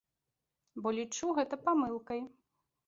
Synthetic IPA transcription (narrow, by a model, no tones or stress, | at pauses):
bɔlʲit͡ʂuɣɛt̪ɐpamɨlˠkɐj